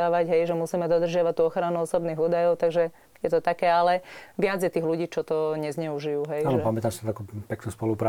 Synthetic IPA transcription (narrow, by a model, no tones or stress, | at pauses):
aːʋaɟɦɛjʒɛmusiːmɛd̪ɔd̪r̩ʒɪaʋat̪uːɔxɾanuɔsɔbniːɣuːd̪ajɔʊt̪aɡʒɛ | jɛt̪ɔt̪akɛːalɛʋɪad͡zjɛt̪iːɣluɟiːt͡ʃɔt̪ɔɲɛzɲɛuʒijuːɦɛjaːnɔpamɛt̪amsiaakupɛknuːspɔlupɾa